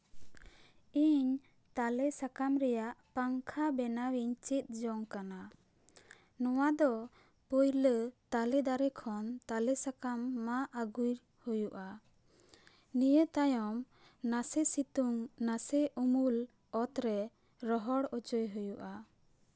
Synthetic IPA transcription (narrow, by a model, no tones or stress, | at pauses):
iɲ | t̪alɛsakamɾɛjaʔpaŋkʰabɛnawiɲt͡ʃit̪̚ˀd͡ʒɔŋkana | nɔwad̪ɔ | pujlət̪alɛd̪aɾɛkʰɔnt̪alɛsakamːaʔaɡujɾ | hujuʔa | nijət̪ajɔm | nasɛsit̪uŋnasɛʔumul | ɔt̪ɾɛ | ɾɔɦɔɽɔt͡ʃɔjɦujuʔa